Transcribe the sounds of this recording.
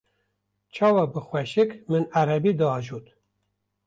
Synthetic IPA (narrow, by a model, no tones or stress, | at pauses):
t͡ʃʰɑːwɑbɨxwɛʃɨkmɨnæɾɛbiːd̪ɨɑːʒuːt̪